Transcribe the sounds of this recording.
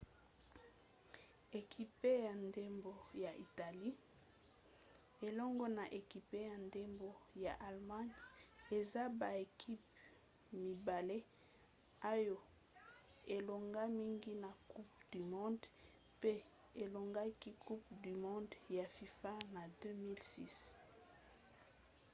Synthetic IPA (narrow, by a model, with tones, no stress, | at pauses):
e˨kʰi˨pe˦ja˨nde˦mbo˦ja˨ʔi˨ta˨li˦ | e˨lɔ˦ŋɡɔ˦na˨ʔe˨ki˨pe˦ja˨nde˦mbo˨ja̰˨ʔa˨lma˦ɲe˨za˦ba˨e˨kʰi˦p | mi˨ba˨le˦ | a˦jo˨ | e˨lo˨ŋɡa˦mi˦ŋɡi˦na˨ku˦pd̥y˨mɔ̃˦nd | pe˦ | e˨lo˨ŋɡa˦ki˦kʰu˦p̚dy˨mɔ̃˦ndja˨fi˨fa˦na˨dø˦mi˦lsi˦s